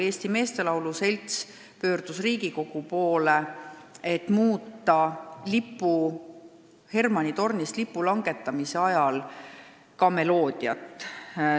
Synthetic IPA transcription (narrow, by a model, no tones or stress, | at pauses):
eːst̪ime̞ːst̪e̞lɑwluse̞lʲt̪s | pø̞ːrd̪̥usriːɡiko̞ɡ̥upo̞ːle̞et̪ːˑmuːt̪ːˑɑlipːˑu | he̞rmɑnʲit̪o̞rnist̪lipːˑulɑŋɡ̥e̞t̪ːˑɑmise̞ɑjɑl | kɑme̞lo̞ːd̪̥jɑ̰t̪ːˑ